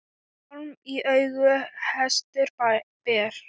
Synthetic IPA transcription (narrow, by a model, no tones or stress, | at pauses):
miʔœɥɣʏhɛst̪ɪɾpɛːɾ̥